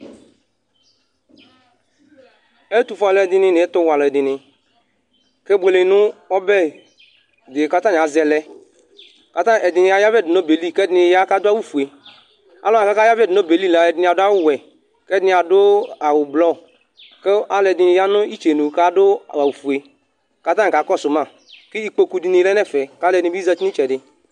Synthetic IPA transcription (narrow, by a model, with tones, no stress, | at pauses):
e˦t̪u˨fɔ˨˦˨lɔ˦ɛ˨dɪ˦nɪ̃˦nɪ˨ɛ˦t̪ʊ˦wa˨lɔ˨ɛ˨dɪ˨nɪ̃˨ | ke˦bʷe˨le˨nʊ˦ɔ˦bɛ˦˨ | dɪ˨ka˦t̪ã˦n˨a˨zɛ˨lɛ˦ | ka˨t̪ã˦ɛ˨dɪ˨nɪ˨ja˦ja˦vɛ˦˨dɪ˨no˦be˨li˦˨kɛ˦dɪ˦nɪ˧ja˦ka˦d̪ʊ˦a˦wu˦fu˨e˨ | a˦lɔ˦˨ka˦ka˦ja˦vɛ˦˨dɪ˨no˦be˨li˦˨la˨ɛ˨dɪ˨n˧a˨dʊ˦a˦wʊ˦˨wɛ˨ | kɛ˦dɪ˦nɪ˧˨a˨dʊ˦a˨wʊ˨blɔ˦ | kɛ˦a˦lɛ˧˨dɪ˧ja˦nʊ˦i˦t͡ʃe˨nu˨ka˨˦dʊ˦a˨a˨wu˨fu˨e˨ | ka˨˦ta˦n˨ka˨˦kɔ˦˨sʊ˨ma˦˨ | kɪ˦i˦k͡po˦˧ku˧˦di˧ni˨˦lɛ˦nɛ˦˨fɛ˨ka˦lɛ˧dɪ˦bza˧˨t͡ʃi˦ni˦t͡ʃɛ˨dɪ˨